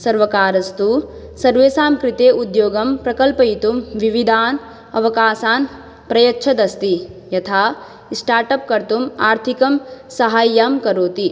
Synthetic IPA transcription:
sɐɾʋɐkaːɾɐst̪u | sɐɾʋeːsaːmkɾɪt̪eːʔud̪joːɡɐmpɾɐkɐlpɐit̪umʋiʋid̪ʱaːn | ɐ̰ʋɐkaːsaːn | pɾɐjɐtːʃʰɐd̪ɐst̪ijɐt̪ʰaː | sʈaːɾʈɐp̚kɐɾt̪umaːɾt̪ʰikɐmsɐɦaːjːaːmkɐɾoːt̪i

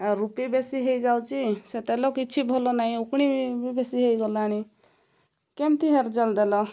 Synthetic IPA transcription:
aɾupibesiɦejd͡ʒawt͡ʃiset̪elokit͡ʃʰibʱolonaɦĩukɽ̃ibbesiɦejɡɔlañi | kemt̪iɦeɾd͡zəld̪elɔ

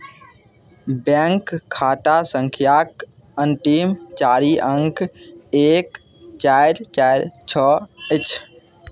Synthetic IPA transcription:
beːŋkʰːaːʈaːsə̃ŋkʰijaːk | ənt̪imt͡ʃaːɾiːʔə̃ŋkeːk | t͡ʃaːɪɾt͡ʃaːɪɾt͡ʃʰəːɪt͡ʃʰ

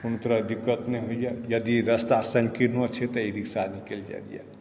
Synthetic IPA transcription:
unt̪ɾəd̪ikːət̪neɦoijajəd̪iɾəst̪asə̃ŋɡkinot͡ʃʰet̪ɔiɾiksanikeld͡ʒa̰d̪ḭja̰

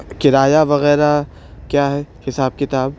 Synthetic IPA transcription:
kɪɾaːjaʋɐɣɛːɾa | kjaːɦɛhɪsaːb̚kɪt̪aːb

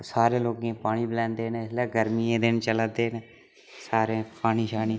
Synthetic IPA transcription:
saːɾẽːloːkẽːpaːɽiːbɪlɛ̃ːnd̪eːnlɛːɡəɾmiːẽːd̪ɪnt͡ʃələd̪eːne | saːɾeːpaːniːʃaːniː

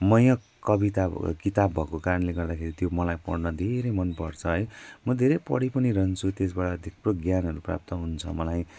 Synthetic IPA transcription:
mʌjʌk | kːʌbit̪akit̪abbʱʌkokaɾʌnleɡʌrd̪akʰeɾit̪jomʌlajpʌɽnʌd̪ʱeɾejmʌnpʌrt͡sʰʌɦʌjmʌd̪ʱeɾejpʌ̰ɽipʌniɾʌɦnt͡sʰut̪es̬baʈʌːd̪ʱikbroɡjanɦʌɾupra̰p̚t̪ʌɦunt͡sʰʌmʌlaj

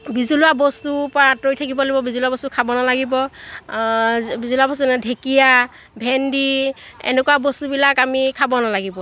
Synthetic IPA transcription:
bizulʊabɔstupɔɹatojtʰakibɔlobɔbizuluabɔstukʰabɔnalaɡibɔ | bizuluabɔstunɛdʱekija | bʱɛndi | ɛ̰nɛkuwabɔstubilakamikʰabɔnalaɡibɔ

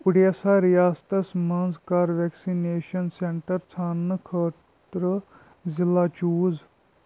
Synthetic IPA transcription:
ʊɽijɐsaɾijaːst̪ɐsmɐnzkaːɾʋeːksineːʃɐnseɳʈɐɾt͡sʰaːnːɨkʰəː | ɾə | zɪlaːt͡ʃuːz

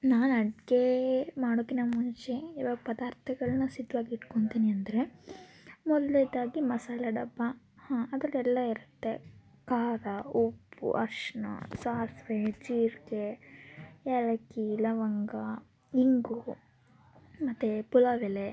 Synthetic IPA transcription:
naːnɐɖɡemaːɽokːinaːmuɲt͡ʃeiːʋaːɡɐpɐd̪aːɾt̪ʰɐɡɐɭɐnːɐsid̪ːuʋaːɡiːʈkoɳt̪iːniɐnd̪ɐɾe̞ | mɔd̪lɛd̪aːɡimɐsaːlɐɖɐbːa | hãːɐd̪ɐɾɛlːɐiɾut̪ːḛ | kaːɾaupːṵʔɐ̰ɾʂɐnɐ̰saːɾsʋet͡ʃiːɾɡe | ɛɭɐkilɐʋɐŋɡa | iŋɡu | mɐt̪ːepulɐʋele

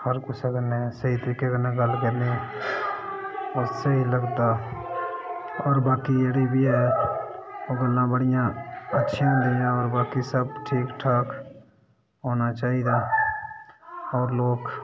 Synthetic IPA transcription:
həɾkʊsakənesəɦit̪əɾiːkekənːẽɡəlɡəne | osəɦiləɡd̪aː | ɔːɾbaːkijeɽibʱiɦɛː | oɡəlːãːbəɽɪjãətːʃʰĩnd̪ijãɔːɾbaːkisəb̚ʈʰiːkʈʰaːk | ɦoːnaːt͡ʃaːɦid̪aː | ɔːɾloːk

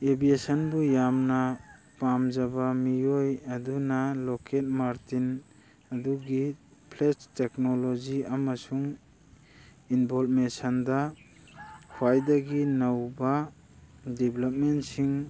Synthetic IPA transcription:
ebiesɔnbujamna | pamzabamijojadunalɔket̚maɾtin | ɐduɡi | pʰlet͡ʃteknoloziamasuŋ | inbɔlmesanda | hʰwajdaɡinawba | diblap̚mentsiŋ

